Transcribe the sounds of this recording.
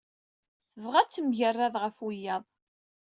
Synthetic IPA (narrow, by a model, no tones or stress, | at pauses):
θəvʁæt͡sːəmʝərːæðˤʁəfwijːɑðˤ